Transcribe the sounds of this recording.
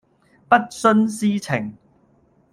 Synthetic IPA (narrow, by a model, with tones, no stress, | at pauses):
pɐ˦˥t̚sɵ˥nsiː˥t͡sʰɪ˨˩ŋ